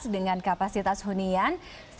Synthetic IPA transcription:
sdəŋankapasit̪ashunian | s

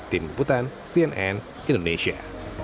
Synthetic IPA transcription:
t̪imput̪an | siɛnʔɛn | ʔĩndoneɕia̰

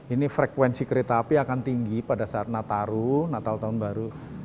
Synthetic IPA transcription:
inifɾekwɛnsikəɾet̪aːpiakant̪iŋɡipadasaat̪̚nat̪aɾunat̪aut̪aʊnbaɾu

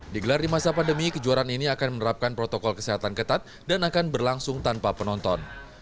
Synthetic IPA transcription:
diɡəlardimasapandəmikəd͡ʒualaniniakanmənəɾap̚kanpɾot̪ɔkɔlkəseɦat̪ankət̪at̪̚ | danakanbərlaŋsʊŋt̪anpapənɔnt̪ɔn

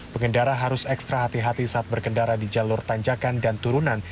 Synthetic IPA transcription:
pəŋɡəndaɾaɦaɾʊsɛkst̪ɾaɦat̪iɦat̪isaːt̪̚bərkəndaɾadid͡ʒalʊrt̪aɲd͡ʒakandant̪uɾunan

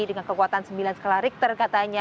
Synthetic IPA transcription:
idəŋankəkuat̪ansəmbilansəkəlaɾɪk̚t̪ərkat̪aɲa

